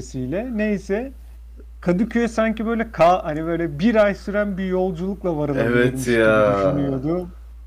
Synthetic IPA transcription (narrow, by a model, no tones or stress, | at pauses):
sijlʲɛne̞jsɛ | kʰad̪ɯcʰyɛsaɲcibø̞jlʲɛkʰaːanibø̞jlʲɛbiɾajsyɾænbijo̞lˠd͡ʒulˠuklˠavaɾad̪evɛt̪jadyʃnyjo̞d̪ʊ